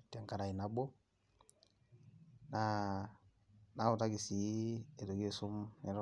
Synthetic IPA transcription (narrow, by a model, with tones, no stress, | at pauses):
ti˨a˨ŋka˨ɾa˨i˨na˨bo˦ | na˦ | na˦u˨ta˦ɡi˨si˨˦e˨do˨ɡe˦˨sʊ˦mɛ˦ɾɔ˦